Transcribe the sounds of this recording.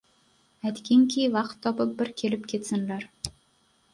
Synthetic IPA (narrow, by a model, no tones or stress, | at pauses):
æt̪kʲeŋkʲʰijvɑqt̪ʰːɒpɤp̚bɪɾkʲʰelɘpkʲʰet̪sɘnlæɾ